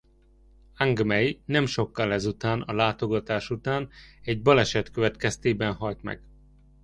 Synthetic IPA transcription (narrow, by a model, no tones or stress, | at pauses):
aŋɡmɛjnɛmʃo̞kːɒlɛzut̪aːnɒlaːt̪o̞ɡɒt̪aːʃut̪aːnɛɟbɒlɛʃɛt̪køvɛt̪kɛst̪eːbɛnɦɒjt̪mɛ̰ɡ̥